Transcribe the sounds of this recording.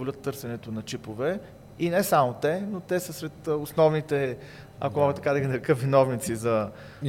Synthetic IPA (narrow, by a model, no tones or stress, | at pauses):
olʲət̪ːɤɾsɛnɛt̪onɐt͡ʃipovɛ | inɛsamot̪ɛnot̪ɛsəsɾɛt̪osnɔvnit̪ɛ | ɐ̰komɔɡət̪ɐkad̪ɐɡʲinɐɾkəvinɔvnit̪sizɐ